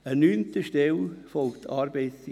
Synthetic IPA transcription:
ənyːnt̪əʃtɛlfɔlktʰɑːɾbeɪts

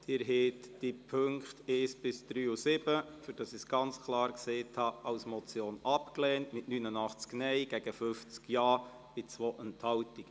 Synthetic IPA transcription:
d̪̥ɪɾɦɛːt̪d̥ipʰøŋkχtɛːsb̥ɪsd̪̥ɾyːusɪbəfyɾd̥ɑsisɡ̥ɑnt͡skʰlɑːɾkseːtʰhɑɑwsmɔt͡sjoːnɑpkleːntmɪtnynənɑχt͡sknɛɪɡ̥ɛɡ̥əfʏft͡skjɑː | b̥ɪt͡sʋoːʔɛnthɑwtik

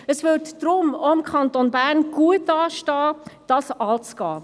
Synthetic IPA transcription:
əsʋʏtd̥ɾʊmoɪmkχɑnt̪onbæːɾnɡ̥uətːɑːʃtɑːd̥ɑːsɑlt͡sɡ̥ɑ̰ː

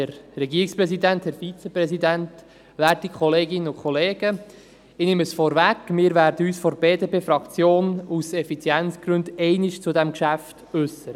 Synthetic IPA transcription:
əɾːɛɡiːɾikspɾɛsid̪ænt̪hæɾfit͡sɛpɾɛsidænt̪ | læːɾtikχɔleːɡɪnːəʊkχɔleːɡ̥ə | ɪnɪməsfɔɾvækmɪːɾʋæːɾdəyːsfɔɾbeːdepʰeːfɾɑkt͡sjoːnusɛfit͡sjænt͡sɡ̥ɾʉndɛɪnɪʃt͡sud̪æmkʃæft | ʉsːəɾ

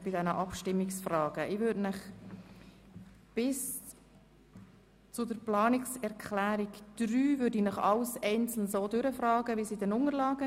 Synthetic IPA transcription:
b̥ɪdɛnəʔɑpʃtɪmːiksfrɑːɡ̥əʔɪvʏdnəχ | b̥ɪs | t͡sʊdəɾplɑːnɪksɛɾkʰχlæːɾikd̥ɾyːvʏɾdinəχɑlsɛɪnt͡sl̩n̩soːdʏɾəfrɑːɡəvisidɛnʊŋəlɑːɡə

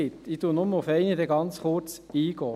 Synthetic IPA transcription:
ɪt̪itunʊmːəʊfɛɪnəd̪ɛɡɑnt͡sχʊɾt͡siːɡ̥ɔː

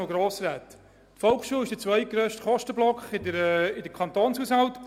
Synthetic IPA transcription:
ɡɾoːsɾæːt̪ | tfɔlkʃuːlɪʃd̥ət͡sʋœʏɡ̥ɾøːʃtχɔʃtəblɔkχɪdəɾɪdəkʰɑnt̪oːnsusɑlt

